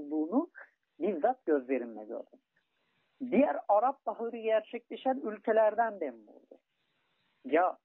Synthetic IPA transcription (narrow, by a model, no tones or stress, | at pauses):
d̪uːnu | biɾzat̪̚ɟø̞zle̞ɾimlɛ̰ɟø̰ɾd̪ym | d̪ijæɾɑɾap̚b̪aɦˠɾɯɟæɾt͡ʃʰɛclʲe̞ʃænylʲcʰelʲæɾd̪ænd̪ɛnbṵlˠd̪ṵ | ja